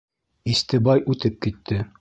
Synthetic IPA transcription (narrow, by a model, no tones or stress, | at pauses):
ist̪ɘbɑjʉt̪ɘp̚kit̪ʰːɘ